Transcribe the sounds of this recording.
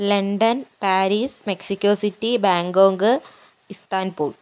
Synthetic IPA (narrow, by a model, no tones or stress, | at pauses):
lɐɳɖɐnpaːɾiːsmeksikʲːoːsitːibaːŋɡoːŋɡɨ | ist̪aːnpuːɭ